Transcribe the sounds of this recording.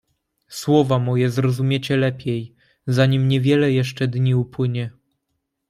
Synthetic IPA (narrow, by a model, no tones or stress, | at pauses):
swɔvamɔjɛzɾɔzumʲjet͡ɕɛlɛpʲjej | zaɲimɲɛvʲjɛlɛjɛʂt͡ʂɛd̪ɲiupwɘɲɛ